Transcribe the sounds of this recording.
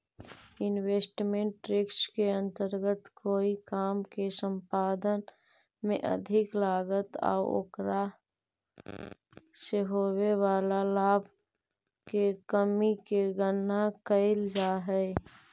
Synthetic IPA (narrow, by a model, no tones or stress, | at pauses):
ɪnweːsʈmẽʈɾɪkskeə̃nt̪əɾɡət̪koːikaːmkesə̃mpaːd̪ən | mẽʔə̰d̪ʱɪklaːɡət̪a̰ːo̰ːkɾa | seɦoːwewaːlalaːbʱ | kekəmikeɡənːakəɪld͡ʒaːɦɛ